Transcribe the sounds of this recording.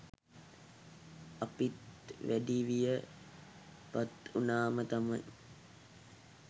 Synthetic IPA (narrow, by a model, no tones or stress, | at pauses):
apit̪ʋæɖiʋijə | pat̪unaːmət̪amaj